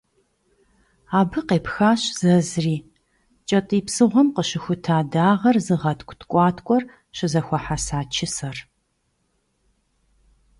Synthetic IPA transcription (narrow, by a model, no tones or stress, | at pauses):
aːbɨqeːpxaːɕz̥ɐzriː | t͡ʃʼɐtʼiːpsɨʁʷɔmqəɕɪxʷʊtʰaːdaːʁɐrzɨʁɐtʰkʷʰʼtkʷʼɑːtʰkʷʼɔr | ɕɪzɐxʷɔħasaːt͡ʃʰɪsɐr